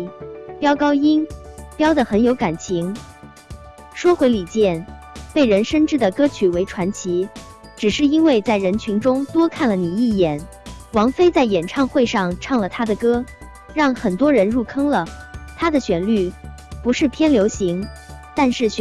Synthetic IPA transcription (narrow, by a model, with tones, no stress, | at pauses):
pjɑ˥ʊkɑ˥ʊi˥npjɑ˥ʊd̪ə˨xə˧˥njo˧˥ʊka˨˩nt͡ɕʰi˧˥ŋ | ʂwɔ˥xwe˧˥ɪli˨˩t͡ɕjɛ˥˩n | pe˥˩ɪɻə˧˥nʂə˥nʈ͡ʂɻ̩˥˩d̪ə˩kɤ˥t͡ɕʰy˨˩we˧˥ɪʈ͡ʂʰwa˧˥nt͡ɕʰi˧˥ | ʈ͡ʂɻ̩˨˩ʂɻ̩˥˩i˥nwe˥˧ɪt͡sa˥˩ɪɻə˧˥nt͡ɕʰy˧˥ŋʈ͡ʂʊ˥ŋt̪wɔ˥kʰa˥˩nlə˩ni˨˩i˥˩jɛ˨˩˦n | wɑ˧˥ŋfe˥ɪt͡sa˥˩ɪjɛ˨˩nʈ͡ʂʰɑ˥˧ŋxwe˥˧ɪʂɑ˥˧ŋʈ͡ʂʰɑ˥˩ŋlə˩t̪ʰa˥d̪ə˨kɤ˥ | ɻɑ˥˩ŋxə˨˩nt̪wɔ˥ɻə˧˥nɻu˥˩kʰɤ˥ŋlə˨t̪ʰa˥d̪ə˨ɕɥɛ˧˩nly˥˩ | pu˧˥ʂɻ̩˥˩pʰjɛ˥nljo˧˥ʊɕi˧˥ŋ | t̪a˥˧nʂɻ̩˥˩ɕ